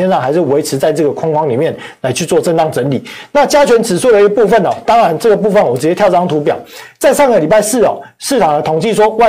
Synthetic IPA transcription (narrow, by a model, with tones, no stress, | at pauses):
ɛ˥˧nʂɑ˥˩ŋxa˧˥ɪʂ̬ɻ̩˥˩we˧˥ɪʈ͡ʂʰɻ̩˧˥t͡sa˥˧ɪʈ͡ʂɤ˥˩ɡə˩kʰʊ˥ŋkʰwɑ˥ŋli˨˩mjɛ˥˨˩nla˧˥ɪt͡ɕʰy˥˧t͡swɔ˥˧ʈ͡ʂə˥˧nt̪ɑ˥˩ŋʈ͡ʂə˧˥nli˨˩˦na˥˨˩t͡ɕja˥t͡ɕʰɥɛ˧˥nt͡sɻ̩˨˩swɔ˥˩d̪ə˩i˦ɡə˧pu˥˧fə˥˨nɔ˨˩t̪ɑ˥ŋɻa˧˥nʈ͡ʂɤ˥˩ɡə˩p̬u˥˧fə˨˩nwɔ˨˩ʈ͡ʂɻ̩˧˥t͡ɕjt̪jɑ˥˧ʊɑ˥ŋt̪ʰu˧˥pjɑ˨˩ʊt͡sa˥˧ɪʂɑ˥˩ŋɡə˩li˨˩pa˥ɪʂɹ̩˥˩ɔ̰˨˩ʂɻ̩˥˩ʈ͡ʂʰɑ˨˩ŋd̪ə˦t̪ʰo˨˩ŋt͡ɕi˥˩ʂ̬wɔ˥wa˥˧